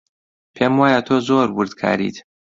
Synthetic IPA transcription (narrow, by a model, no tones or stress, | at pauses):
pʰemwaːjat̪ʰoːzoːɾwʊɾd̪kʰa̰ːɾḭːt̪